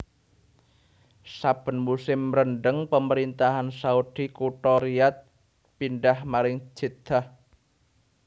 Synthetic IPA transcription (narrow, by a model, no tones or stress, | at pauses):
sab̥ə̤nmusɪmɾəɳɖəŋpəməɾint̪aɦansaud̥i̤kuʈɔɾiat̪̚ | pinɖahmaɾɪŋ̥d͡ʒ̥id̪̥ah